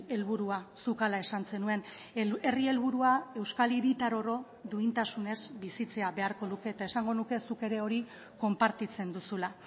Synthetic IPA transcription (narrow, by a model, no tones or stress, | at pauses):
e̞lβ̞uɾuasukalae̞sant͡se̞nue̞n | e̞rie̞lβuɾuae̞wskaliɾit̪aɾo̞ɾo̞ | d̪uint̪asune̞zbisit͡se̞aβe̞aɾko̞ðuke̞ːt̪ae̞saŋɡo̞nuke̞suke̞ɾe̞o̞ɾi | ko̞mpaɾt̪it͡se̞nd̪usula